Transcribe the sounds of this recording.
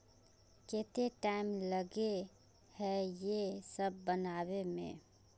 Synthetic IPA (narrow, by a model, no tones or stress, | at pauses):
ket̪eʈaɪmləɡe | hɛjesəb̚ːənaːβemḛ̃